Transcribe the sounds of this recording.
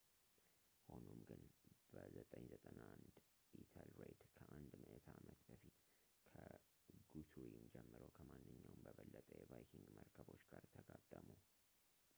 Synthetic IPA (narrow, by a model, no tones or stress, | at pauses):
ho̞nomɡɨnb̥əzət̪ʼəɲzət̪ʼənand̪ | it̪ʰalɾed̪kʰəʔand̪məʔɛt̪ʰamət̪bəfit̪ | kʰə | ɡut̪ʰuɾimd͡ʒɛmːɨɾəwkʰəmanːɨɲːawmbəβəlːət̪ʼəjɛvajkʰiŋɡməɾkʰəβo̞t͡ʃːɡaɾt̪ʰəɡat̪ʼːəmu